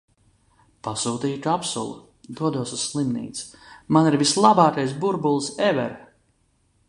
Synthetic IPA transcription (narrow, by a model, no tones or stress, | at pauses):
pasuːt̪iːtapsṵlˠṵ | d̪uɔd̪uɔsusslˠimnḭːt̪smaniɾvislˠabɑːk̪ajs̬buɾbulˠsɛvɛ̰ɾ